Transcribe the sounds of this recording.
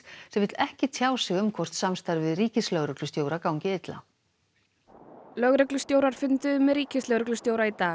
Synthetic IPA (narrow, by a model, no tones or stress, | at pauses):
sɛmvɪt̪lɛhcɪt̪ʰjaːwsɪɣʏmkʰvɔr̥t̪samst̪ajɾvɪðriːcɪslœɣɾʏklʏst̪joːwɾakawɲcɪɪt̪la̰ | lœɣɾœklʏst̪joːwɾaɾ̥fʏnt̪ʏmːɛðɾiːcɪslœɣɾœklʏst̪jowɾait̪aːɣ